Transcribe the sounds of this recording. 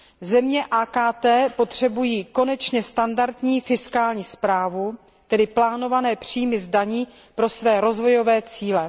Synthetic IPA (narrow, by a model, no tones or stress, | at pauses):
zɛmɲɛʔaːkaːt̪ɛːpo̞t̪r̝̥ɛbujiːko̞nɛt͡ʃɲɛst̪andaɾt̪ɲiːfɪskaːlɲiːspɾaːvu | t̪ɛdɪplaːno̞vanɛːpr̝̥iːmɪzdaɲiː | pɾo̞svɛːɾo̞zvo̞jo̞vɛːt͡siːlɛ